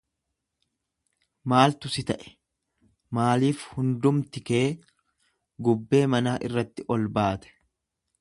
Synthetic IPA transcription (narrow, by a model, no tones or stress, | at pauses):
maːlt̪ʊsɪt̪ɐʔɛ̥ | maːliːfhʊnd̪ʊmt̪ɪkeeː | ɡʊbːe̞ːmɐnaːʔɪrːɐt̪ːɪʔɔlbaːt̪ɛ̥